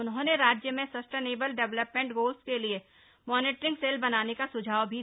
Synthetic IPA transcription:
ʊnɦõːneɾaːd͡ʒjəmẽsɐsʈeːneːbəlɖɛʋləpmẽɳʈɡoːlskelie | mɔːnɪːʈɾɪ̃ŋɡseːlbɐnaːnekasʊd͡ʒʱaːʋbʱi

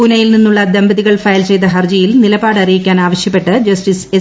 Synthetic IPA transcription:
unɐjilninːuɭːɐd̪ɐmbɐðiɣɐɭfɐjlt͡ɕe̞jt̪ɐɦɐrd͡ʑɐjilnilɐbaːɽɐrijikʲːaːnaːʋɐɕjɐpːe̞ʈːɨd͡ʑɐsʈise

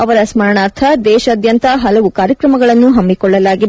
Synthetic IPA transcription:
ɐʋɐɾɐsmɐɾɐɳaːɾt̪ʰɐd̪ɛːʃɐːd̪jɐnt̪ɐɦɐlɐʋukaːɾjɐkɾɐmɐɡɐɭɐnːuɦɐmbikɔɭːɐlaːɡid̪

